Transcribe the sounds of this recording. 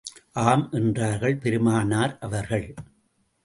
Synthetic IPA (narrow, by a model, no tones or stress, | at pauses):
ʔaːmʔɛndraːɾɣɐɭpɛɾɯmaːnaːɾʔɐʋɐɾɣɐɭ